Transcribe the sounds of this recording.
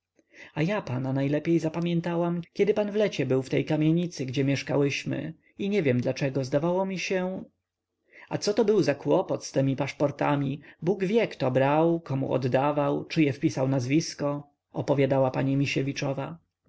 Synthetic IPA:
ajapananajlɛpʲjejzapamʲjɛnt̪awamkʲɛd̪ɘpanvlɛt͡ɕɛbɘwft̪ɛjkamʲjeɲit̪sɘɡd͡ʑɛmʲjɛʂka̰wɘɕmɘ̰ | iɲɛvʲjɛmd̪lat͡ʂɛɡɔzd̪avawɔmʲiɕɛ | at̪sɔt̪ɔbɘwzakwɔpɔt̪st̪ɛmʲipaʂpɔɾt̪amʲibuɡvʲjɛkt̪ɔbɾawkɔmṵʔɔ̰d̪ːavawt͡ʂɘjɛfpʲisawnazvʲiskɔ | ɔpɔvʲjad̪awapaɲimʲiɕɛvʲit͡ʂɔva

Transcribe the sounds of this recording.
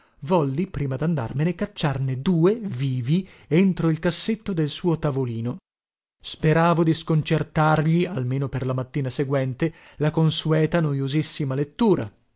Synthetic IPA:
vɔlːipɾiːmad̪and̪a̰rmenekat͡ʃːarned̪uːeviːvient̪ɾoilkasːet̪ːod̪elsuːot̪avoliːno | speɾaːvod̪iskont͡ʃert̪arʎialmeːnoperlamat̪ːiːnaseɡwɛnt̪e | lakonsuɛːt̪anojozisːimalet̪ːuːɾa̰

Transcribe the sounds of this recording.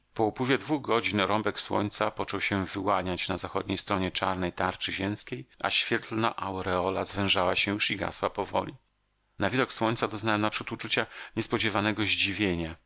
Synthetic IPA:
pɔupwɘvʲjɛd̪vuɣɡɔd͡ʑinɾɔmbɛkswɔ̰ɲt̪sapɔt͡ʂɔwɕɛvɘwaɲat͡ɕnazaxɔd̪ɲejst̪ɾɔɲɛt͡ʂaɾnɛjt̪aɾt͡ʂɘʑɛmskʲeja̰ɕfʲjɛt̪lnaʔawɾɛɔlazvɛ̃w̃ʐawaɕɛjuʂiɡa̰swapɔvɔ̰lʲḭ | navʲid̪ɔkswɔɲʲt̪sad̪ɔznawɛmnapʂut̪ut͡ʂut͡ɕaɲɛspɔd͡ʑɛvanɛɡɔʑd͡ʑivʲjeɲa

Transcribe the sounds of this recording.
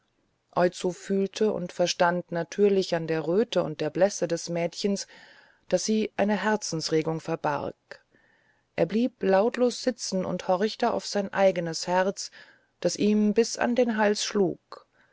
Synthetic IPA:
ʔɔʏt͡sofyːltʰəʔʊ̰ntfɛɐʃtantnatʰyːɐlɪçandeːɐʁøːtəʊ̰nt̚d̥eːɐblɛsədɛsmɛːtçəns | d̥asz̥iːʔaɪnəɦɛɐt͡sn̩sʁeːɡʊŋfɛɐba̰ʁk | ʔḛːɐbliːplaʊtloːsz̥ɪt͡sn̩ʊ̰nthɔʁçtəa̰ʊfz̥aɪnʔaɪɡənəshɛʁt͡s | d̥asʔiːmbɪsa̰ndeːnɦalsʃlṵːk

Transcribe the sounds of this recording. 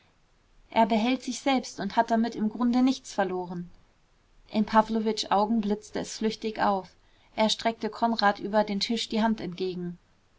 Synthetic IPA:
ʔeːɐbəɦɛltz̥ɪçz̥ɛlpstʊnthat̚d̥amɪtɪmɡʁʊndənɪçt͡sfɛɐloːʁən | ʔɪnpʰavlovɪt͡ʃʔaʊɡŋ̩blɪt͡stəɛsflʏçtɪçʔa̰ʊf | ʔeːɐʃtʁ̥ɛk̚təkʰɔnʁaːtʔyːbɐdeːntʰɪʃd̥iːɦantɛnt̚ɡ̥eːɡŋ̩

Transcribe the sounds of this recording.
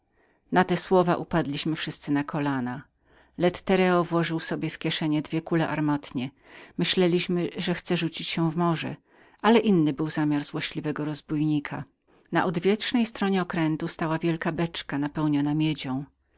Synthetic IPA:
nat̪ɛswɔvaʔupad̪lʲiɕmɘfʂɘst̪sɘnakʰɔlana | lɛt̪ːɛɾɛɔvwɔʐɘwsɔbʲjɛfkʲɛʂɛɲɛd̪vʲjɛkulɛʔaɾmɔt̪ɲɛ | mɘɕlɛlʲiɕmɘʐɛxt̪sɛʐut͡ɕit͡ɕɕɛ̃vmɔʐɛ̰ | ʔalɛʔinːɘbɘwzamʲjaɾzwɔɕlʲivɛɡɔɾɔzbujɲikʰa | na̰ʔɔd̪vʲjɛtʂnɛjst̪ɾɔɲɛɔkɾɛnt̪ust̪awavʲjɛlkabɛt͡ʂkanapɛwɲɔnamʲjed͡ʑɔ̃w̃

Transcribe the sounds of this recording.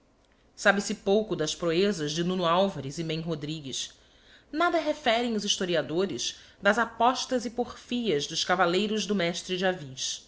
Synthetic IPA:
sabɪsɪpowkʊd̪ɐspɾoezɐʒd͡ʒɪnũnʊawvɐɾɪzɪmẽj̃ɦod̪ɾiɡiʃ | nad̪ɐɦefɛɾẽj̃ʊziʃt̪oɾiad̪oɾɪʃ | d̪ɐzapɔʃt̪ɐzɪpoχfiɐzd̪ʊʃkavalejɾʊʒd̪ʊmɛʃt̪ɾɪd͡ʒɪaviʃ

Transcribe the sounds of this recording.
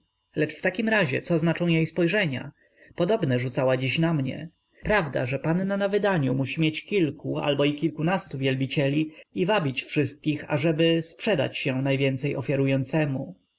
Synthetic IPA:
lɛt͡ʂft̪akʲimɾaʑɛ̰t̪sɔznat͡ʂɔ̃w̃jejspɔjʐɛɲa̰ | pɔd̪ɔbnɛʐut̪sawad͡ʑiɕnamɲɛ̰ | pɾavd̪a̰ʐɛpanːanavɘd̪aɲumuɕimʲjet͡ɕkʲilkua̰lbɔikʲilkunast̪uvʲjɛlbʲit͡ɕɛlʲiːvabʲit͡ɕfʂɘst̪̚kʲixa̰ʐɛbɘspʂɛd̪a̰t͡ɕɕɛnajvʲjɛnt̪sɛjɔfʲjaɾujɔnt̪sɛmu

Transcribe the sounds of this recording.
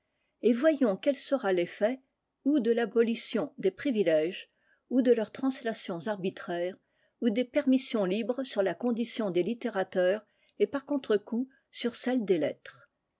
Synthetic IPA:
evwajɔ̃kɛlsəʁalefɛ | ud̪əlabɔlysjɔ̃d̪epχivilɛʒ | ud̪əlœʁt̪χɑ̃slasjɔ̃zaʁbit̪χɛːʁ | ud̪epɛʁmisjɔ̃libʁəsyʁlakɔ̃d̪isjɔ̃d̪elit̪eʁat̪œːʁ | epaʁkɔ̃t̪χəku | syʁsɛld̪elɛt̪χ

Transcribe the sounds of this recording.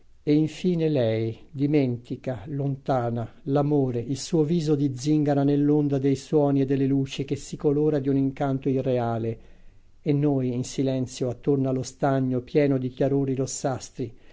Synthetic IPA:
eiɱfiːnelɛjd̪iment̪ikalont̪aːnalamoːɾeʔilsuːoviːzod̪id̪ziŋɡaɾanelːond̪ad̪ejswɔːnied̪ːelːeluːt͡ʃik̟esikoloːɾad̪iuniŋkant̪oirːeaːle | enːojinsilɛnt̪sjoat̪ːornalost̪aɲːopjɛːnod̪ikjaɾoːɾiɾosːast̪ɾi

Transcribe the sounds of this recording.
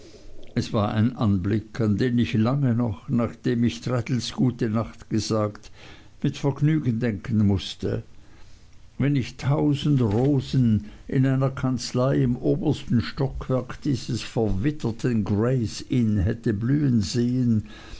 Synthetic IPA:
ʔɛsv̥aːɐʔa̰ɪnʔanblɪkʰandeːmɪçlaŋənɔχnaːχd̥eːmɪçtʁɛtl̩sɡ̥uːtənaχtɡ̥əzaːkt | mɪtfɛɐɡnyːɡn̩dɛŋkʰən̩mʊstə̰ | vɛnɪçtʰaʊzn̩dʁoːznʔɪnaɪnɐkʰant͡slaɪɪmʔoːbəstn̩ʃtɔkʰv̥ɛɐkd̥iːz̥əsfɛɐvɪtʰɐtʰənɡʁeɪsiːnɦɛtəblyːənzeːən

